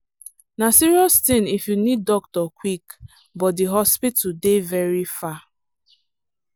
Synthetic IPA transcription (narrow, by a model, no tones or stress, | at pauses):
nasiɹiɔstɪ̃nifjunid̚ːɔk̚tɔkwik | bɔt̚diɦɔspitudevɛɹifa